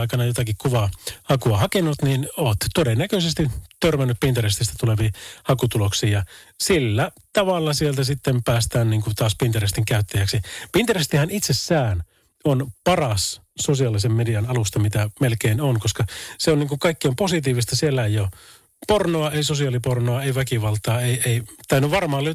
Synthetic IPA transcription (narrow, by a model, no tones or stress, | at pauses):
ikɑnɑjot̪ɑkikkuʋɑhɑkuɑhɑkenut̪ninoːt̪t̪odenːækøsest̪it̪ørmænːyppint̪ɑrist̪ist̪æt̪uleʋiːhɑkut̪uloksiːjɑsilːæ | t̪ɑʋɑlːɑsielt̪æsit̪ːempæːst̪æːnniːŋkut̪ɑːspint̪ɑrist̪iŋkæyt̪ːæjæksipint̪ɑrist̪ihænit̪sesːæːn | onpɑrɑs | sosiɑːlisemːediɑnɑlust̪ɑmit̪æmelkeinonkoskɑseonniːŋkuŋkɑikːiomposit̪̬iːʋist̪ɑsielːæejjo | pornoɑeisosiɑːlipornoɑeiʋækiʋɑlt̪ɑːeieit̪æynːyʋɑrmɑːlːy